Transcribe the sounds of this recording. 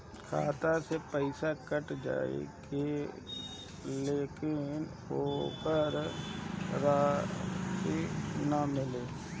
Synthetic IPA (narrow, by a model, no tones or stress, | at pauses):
kʰa̰ːt̪asepəɪsakəʈd͡ʒa̰ːḛɡe | leːkɪn | oːkəɾ | ɾaːkinamɪleː